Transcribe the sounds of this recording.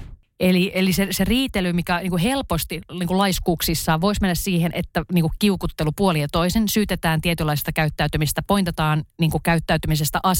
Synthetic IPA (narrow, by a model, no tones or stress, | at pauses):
eliʔeliseseriːt̪elymikæniːŋkuhelpost̪iniːŋkulɑiskuːksisːɑːʋʋoismenːæssiːhenʔet̪ːæniːkukkiukut̪ːelupuolijɑt̪oisensyːt̪et̪æːnt̪iet̪ylːɑise̥st̪ɑkæyt̪ːæyt̪ymisest̪æpoint̪et̪ɑːnniːŋkukæyt̪ːæyt̪ymisest̪æʔɑs